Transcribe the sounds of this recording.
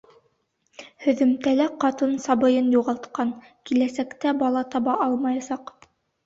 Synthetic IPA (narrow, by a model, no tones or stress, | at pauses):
hɵ̆ðɵ̆mt̪ælæqɑt̪ɤnsɑbɤ̆jɤnjuʁɑlˠt̪qɑn | kilæsækt̪æbɑlˠɑt̪ɑβɑʔɑlˠmɑjɑsɑq